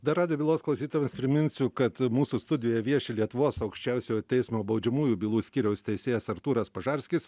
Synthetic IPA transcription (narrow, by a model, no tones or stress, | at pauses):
d̪ɐɾɑːd̪ʲɪjoːbʲilˠoːsklˠɐʊsʲiːt̪oːʋʲɛmspʲɾʲɪmʲɪnʲsʲʊkɐt̪muːsust̪ʊd̪ʲɪjoːjɛʋʲiɛʃʲelʲiɛt̪ʊʋoːsɐʊkʃʲt͡ʃʲɛʊsʲoːt̪ʲɛɪsmoːbɐʊd͡ʒʲɛmuːjuːbʲiːlˠuːsʲkʲiːɾʲɛʊst̪ʲɛɪsʲeːjɛsɐɾt̪uːɾɐspɐʒɐɾʲsʲkʲɪs